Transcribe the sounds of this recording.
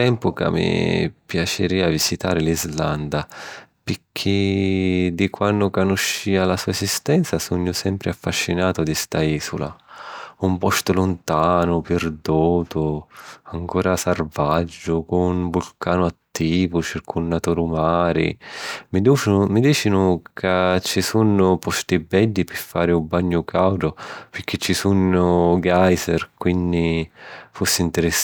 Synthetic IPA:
t̪ɛmpʊka̰mːḭpjat͡ʃɪɾiːavisit̪aːɾɪlizland̪apɪkʰɪ | d̪ikwanːʊkanuʃːiːalasuːaesist̪ɛnt̪sasuɲːʊsɛmpɾʔɪafːaʃːinaːt̪ʊd̪ist̪aiːsṵla̰umpɔst̪ʊlʊnt̪aːnʊpɪrd̪uːt̪ʊaŋkuːɾasarvad͡ʒːʊkʊnvulkʰaːnʊat̪ːiːvʊt͡ʃirkʰunːat̪uɾumaːɾḭmid̪umid̪iːt͡ʃinʊkʰat͡ʃːisunːʊpɔst̪ibɛlːipɪfːaːɾɪubːaɲːʊkawd̪ʊpɪrk̟ʰːet͡ʃːisunʊɡajzɛrkwind̪ifosːɪint̪ɪɾɪs

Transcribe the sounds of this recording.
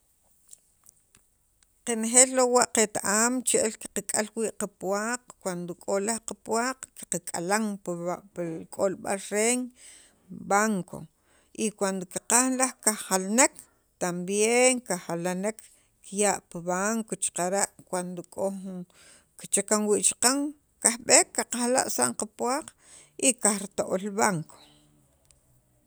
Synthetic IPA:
qenexeːllowaʔqet̪aʔaːmt͡ʃeʔelki̥qakʼalwiːʔqapwaːqkwand̪okʼolahqapwaːqki̥qakʼalaŋpkʼolɓa̰lɾeŋ | baŋkʰo̰ | ʔikwand̪okiqaxnlahkaχalnek | t̪ambjeŋkaχalanek | kjaʔpiβaŋkot͡ʃqaɾaʔkwand̪okʼou | kt͡ʃakaŋwiʔt͡ʃḁqaŋ | kahɓekːaqaxla̰ʔsa̰ɴqapwaːq | ʔikaχɾit̪oʔolβaŋkʰo̥

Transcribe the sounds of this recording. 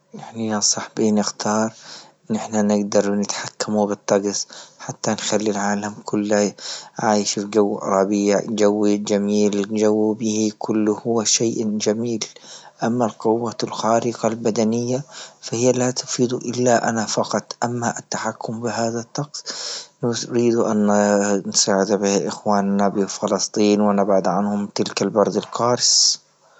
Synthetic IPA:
ʔɪħnajasˤɑħbiːnɪxt̪ʰɑːɾˤɪnːʔɪħnanɪɡd̪ɑɾˤnɪt̪ħakːamubɨt̪ˤːɑɡsˤħat̪ːanxalːilʕaːlamkʰʊlːaʕaːjʃfd͡ʒawːɾˤɑbiːʕd͡ʒawːid͡ʒamiːld͡ʒawːbihikʰʊlːʊhʊʃeːʔd͡ʒamiːl | ʔamːalqʊwːalxaːɾɪqɑlbad̪anɪjːafahɪjːalat̪ʊ̥fiːd̪uʔɪlːaʔa̰nafɑqɑt̪ˤʔamːaʔat̪ːaħakːʊmbɪɦaːðat̪ːɑqsˤnɾiːd̪uʔa̰nnsaːʕɪd̪bɪʔɪxwaːnːabɪfɪlɑst̪ˤiːnwɪnabʕad̪ʕanhʊmt̪ɪlkalbɑɾˤd̪ˤɪlqɑːɾs

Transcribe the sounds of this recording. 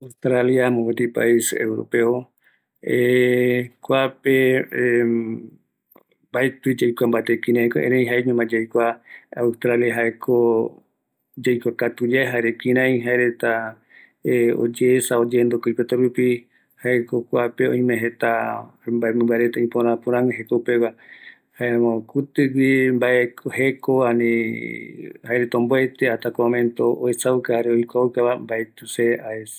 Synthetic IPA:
awst̪ɾaliamõbet̪ipa̰isḛwɾo̰peo | e | kʷape | baet̪ɨd͡ʒajkʷambat̪ekĩɾãĩko̰ʔḛ̃ɾẽj̃ɦaeɲũmãd͡ʒajkʷaawst̪ɾaljaɦaekʰo | d͡ʒajkʷakat̪ud͡ʒaeɦaeɾekĩɾ̃ãĩɦaeɾet̪a | o̰d͡ʒeesaod͡ʒeːnd̪okoipet̪oɾupi | haekokʷapeõĩmẽɦet̪ambaemɨ̃mbaɾet̪aĩpoɾãpõɾãŋɦekoupeβa | haemõkut̪ɨwimbaʔehekoane | haeɾet̪aõmboet̪eat̪akõmẽnt̪oʔo̰esaukahaɾeoikʷaukaβambaet̪useʔaes

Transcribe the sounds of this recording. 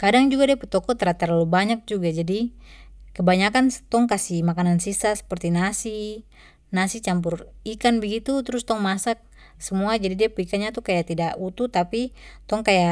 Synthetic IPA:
kadaŋd͡ʒuɡadiaput̪ɔkɔt̪əɾat̪ərlalubaɲak̚d͡ʒuɡad͡ʒadi | kəbaɲakant̪ɔŋkasimakanansisasə̥pərt̪inasi | nasit͡ʃampʊrikanbəɡit̪ut̪ɾʊst̪ɔŋmasak̚ | səmuad͡ʒadidiapuikaɲat̪ukajaʔt̪idaʔut̪ut̪apit̪ɔŋkaja

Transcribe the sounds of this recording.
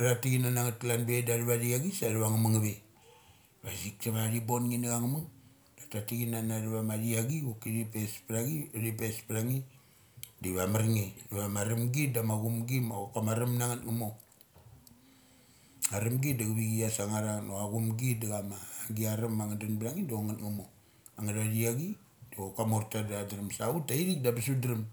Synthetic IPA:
ɾatiɡinanaŋatlanbedaɾuβaɾiaɡisaɾuβaŋamaŋaβe | βasiksaβaɾibonŋinaɡaŋamaŋ | datatiɡinanaɾuβamaɾiaɡiukiɾipespɾaɡiɾipespɾaŋi | diβamaɾŋiβamaɾamɡidamaɡumɡimakamaɾamnaŋatŋamo | aɾamɡidaɡaβiɡiasaŋaɾanoaɡumɡidaɡamaːɡiaɾamːaŋadanbɾaŋidoŋatŋamo | aŋadaɾiaɡi | d̥okamoɾtadadaɾamsautaiɾik̚dabisudɾam

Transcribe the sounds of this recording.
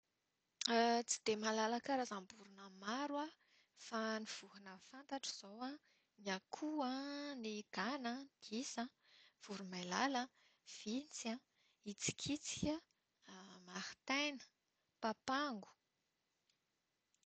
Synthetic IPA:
t͡si̥d̪̥emalalakaɾazambuɾunəmaɾwa | faniv̥uɦunəfant̪aʈ͡ʂi̥z̥owa | niakʰuaniɡ̥anəd̪̥isəv̥uɾumajlalə | v̥int͡sa | it͡si̥kʰit͡si̥kʲə | maɾi̥t̪ajnə̥ | papaŋɡu̥

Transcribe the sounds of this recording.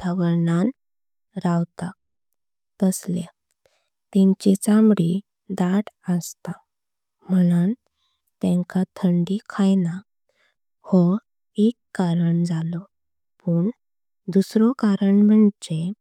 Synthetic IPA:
t̪ʰəʋəɾnan | ɾawt̪a | t̪əslja | t̪ĩɲt͡ɕit͡sambɽi | d̪aʈəst̪a | m̤ənan | t̪ẽŋkat̪ʰəɳɖikʰajna | hɔ | ekːaɾəɳd͡zalɔ | pəːɳ | d̪usɾɔkaɾəɳm̤əɳt͡ɕe

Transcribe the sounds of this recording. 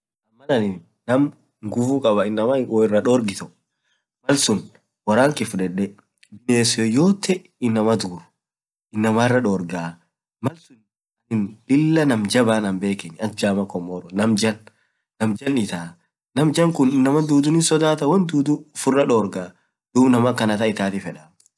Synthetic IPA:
ɐmːɐnɐnɪnː | ɐm | ŋɡufukʼɐbɐɪnːɐmaɔɪrːɐᶑoːɾɡɪt̪ɔ | mɐlsʊn | wɐɾaːŋkɪfʊᶑɛᶑɛ | bɪjeːsɔjoːt̪ʰːɛ | ɪnːɐmɐd̪uːɾʊ̥ | ʔɪnːɐmaːɪrːɐᶑoːɾɡaː | mɐlsʊn | ɐnɪnᶑɪlːɐnɐmd͡ʒɐbaːnɐmbe̞ːkɛɲːɐkd͡ʒaːmɐkɔmːɔːɾɔnɐmd͡ʒɐnː | ɐmd͡ʒɐnɪt̪aː | nɐmd͡ʒɐŋkʊnɪnːɐmɐd̪uːd̪ʊnɪnsɔd̪aːt̪ɐwɐnd̪uːd̪ufʊrːɐᶑoːɾɡaː | d̪̥uːbnɐmɐkːɐnɐt̪ɐɪt̪aːt̪ɪfɛᶑɐ

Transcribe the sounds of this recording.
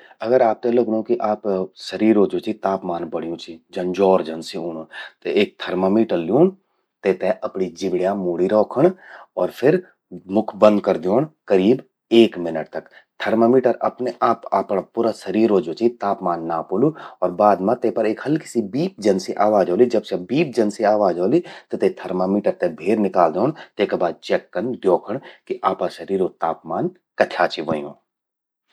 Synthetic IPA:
ɐɡəɾaːp̚t̪eloːknõkiʔaːpsɐɾiːɾoːd͡ʒot͡ʃit̪aːpmaːnbɐɽ̤ijũt͡ʃʰid͡ʒɐnd͡ʒɔːɾd͡ʒɐnsioːnõt̪eeːk̚t̪ʰɐɾməmiːʈəlːijuːn | t̪eːt̪eʔɐpnid͡ʒɪbɽjãmuːɽiɾɔːkʰəɽɔːɾpʰɪɾ | mʊkʰbə̃nd̪̚kɐɾd̪joːnkɐɾiːb | eːkmɪnəʈ̚t̪ɐkt̪ʰɐɾməmiːʈəɾɐ̰pneʔaːpaːpəɽpuːɾaʃɐɾiːɾod͡ʒoːt͡ʃit̪aːpmaːnːaːpoːluɔːɾbaːd̪mãt̪epɐɾeːkhɐlkɪ̥sibiːp̚d͡ʒɐnseʔaːʋaːd͡ʒoːlid͡ʒɐbsɐbiːp̚d͡ʒɐnseaːʋaːd͡ʒoːlit̪ot̪et̪ʰɐɾmamiːʈəɾt̪ebʱeːɾnɪkaːld̪oːɳt̪eːkebaːd̪̚t͡ʃɛːkːənd̪joːkʰəɳ̃kiʔaːpaʃɐɾiːɾot̪aːpmaːn | kɐt̪ʰjaːt͡ʃiʋõjõː

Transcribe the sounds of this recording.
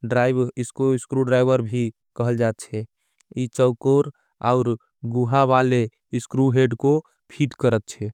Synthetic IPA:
ɖɾaɪbɪskoɪskɾuɖɾaɪbəɾbʱi | kəɦəld͡ʒat̪̚t͡ʃʰɛ | it͡ʃəʊkoɾ | a̰ʊɾ | ɡuɦaʋale | skɾuɦeɖko | pʰiʈkəɾət̪̚t͡ʃʰɛ

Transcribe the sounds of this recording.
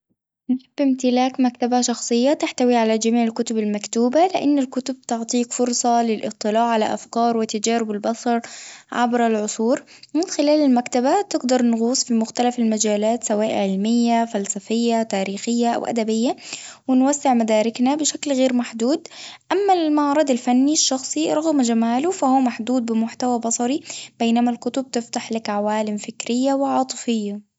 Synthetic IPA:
nʃabːɪmt̪ɪlaːkmakt̪abaʃɑxsˤɨjːat̪ɪħt̪awiʕalad͡ʒamiːʕɪlkʊt̪ʊbɪlmakt̪uːbalɪʔanːalkʊt̪ʊb̚t̪ʊʕt̪ˤiːkfʊɾsˤɑlɪlʔɨt̪ˤːɨlaːʕalaʔa̰fkɑːɾˤwɪt̪ːad͡ʒaːɾɪbɪlbɑsˤɑɾˤʕa̰bɾalʕʊsˤuːɾ | mɪnxɪlaːlɪlmakt̪abat̪ɪɡd̪ɑɾˤnɣuːsˤfimʊxt̪alafalmad͡ʒaːlaːt̪sawaːʔʕɪlmɪjːafalsafɪjːat̪aːɾiːxɪjːaʔa̰wʔa̰d̪abɪjːawɪnwasːɪʕmad̪aːɾɪknabɪʃaklɣeːɾmaħd̪uːd̪ʔamːamɑʕɾˤɑd̪alfanːiʃːɑxsˤiɾˤɑɣmd͡ʒamaːlʊfahuːmaħd̪uːd̪̚bɪmʊħt̪awabɑsˤɑɾib̥eːnamalkʊt̪ʊb̚t̪ɪft̪aħlakʕawaːlɪmfɪkɾɪjːawɪʕɑːt̪ˤɨ̥fɪjːa

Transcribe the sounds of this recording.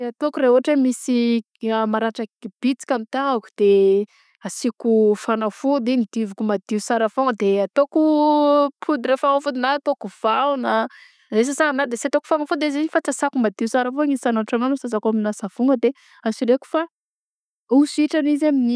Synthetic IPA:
at̪okuɾeɦuɦaʈ͡ʂemisi | amaɾaʈ͡ʂakb̥it͡si̥kʲamit̪aaku̥d̪̥e | asikufanafud̪inid̪̥ivukumad̪̥iusaɾafoŋəd̪eat̪oku | pʰud̪iɾefaŋafud̪inaat̪okuv̥aunə | zes̬asaanad̪eseat̪oku̥fanafud̪ezizifat͡sasakumad̪iusaɾəfoŋisanaʈ͡ʂananosazakoaminasav̥uŋɡəd̪e | asiɾeku̥fa | usiʈ͡ʂanizamini

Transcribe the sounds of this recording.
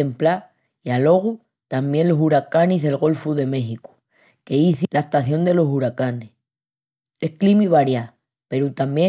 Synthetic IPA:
empla | ialo̞ɣ̞u | t̪ambjẽ̞nlo̞suɾakanizðe̞lɣo̞lfuðe̞me̞xiku̥ | ke̞iθilaest̪aθjo̞nd̪e̞lo̞suɾakanes | ehklimiβ̞aɾja | pe̞ɾut̪ambje

